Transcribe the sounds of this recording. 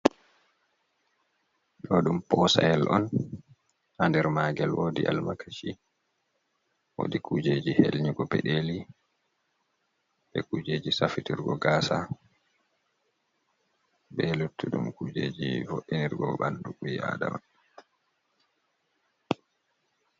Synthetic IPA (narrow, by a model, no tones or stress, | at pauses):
ɗɔɗumpɔsaɛlʔɔn | handɛɾmaːɡɛlwoːdiʔalmakʰaʃi | wo̰dikʰud͡ʒeːd͡ʒihelɲuɡɔpɛ̰ɗeːli | ɓɛkuːd͡ʒeːd͡ʒisafitiɾɡɔɡaːsa | bɛlutʰːuɗumkud͡ʒeːd͡ʒḭfoʔːiniɾɡɔbanduɓuja̰da̰ɔn